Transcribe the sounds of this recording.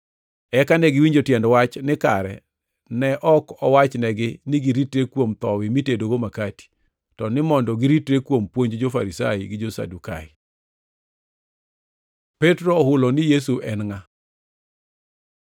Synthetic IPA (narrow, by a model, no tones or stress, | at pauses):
ɛkanɛɡɪwiɲd͡ʒotjɛndwat͡ʃnɪka̰ɾɛ̰ | nɛʔɔkɔwat͡ʃnɛɡɪnɪɡiɾitɾekwomt̪ɔwɪmitedoɡomakati̥ | tɔnɪmɔndɔɡɪɾitɾekwompwoɲd͡ʒd͡ʒofa̰ɾisaiɡɪd͡ʒosa̰duka̰ɪ̰ | pɛtɾohʊlonɪjes̬uʔɛnŋa